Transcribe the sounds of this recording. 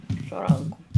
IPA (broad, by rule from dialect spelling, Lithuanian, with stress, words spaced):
sʊ ˈrɐŋkʊm